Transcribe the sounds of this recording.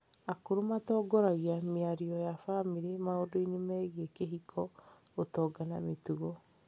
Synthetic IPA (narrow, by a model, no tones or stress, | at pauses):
akoɾomatɔːɡɔɾaɣiameaɾiɔjafamiɾemaodoinemɛɣiekeɦikʰɔ | otɔːɡana̰metuɣɔ